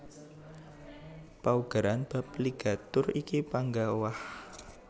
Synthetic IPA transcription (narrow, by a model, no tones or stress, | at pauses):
pauɡ̥a̤ɾanb̥a̤pliɡ̥a̤t̪ʊrikipaŋɡawah